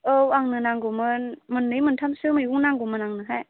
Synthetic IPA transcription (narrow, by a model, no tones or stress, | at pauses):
ɯwaŋnɯnaŋɡumɯnmɯnːɯjmɯntʰamsɯmɯjɡuŋnaŋɡumɯnaŋnɯɦaj